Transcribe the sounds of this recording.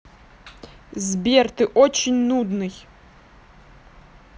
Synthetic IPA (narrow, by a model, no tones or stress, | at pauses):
zʲbʲɛrt̪ɪʔɔt͡ʃɪnʲnud̪nɨj